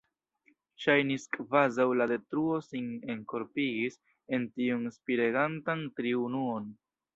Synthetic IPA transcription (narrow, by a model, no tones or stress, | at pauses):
ʃajniskvazawlade̞tɾuo̞sineŋko̞ɾpiɡis | e̞ntiunspiɾeɡantantɾiunuo̞n